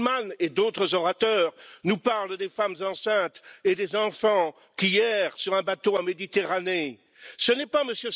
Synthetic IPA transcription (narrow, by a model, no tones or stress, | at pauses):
maned̪ot̪χəzɔʁat̪œːʁnupaʁld̪efamzɑ̃sɛ̃t̪ed̪ezɑ̃fɑ̃ | kʲiɛʁsyʁɛ̃bat̪oamed̪it̪eʁane | sənɛpaməsjø